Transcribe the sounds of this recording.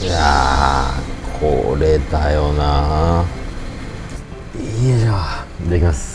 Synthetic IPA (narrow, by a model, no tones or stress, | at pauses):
ja | kʰo̰ɾet̪ajona | id͡ʑaad̪ekʲimas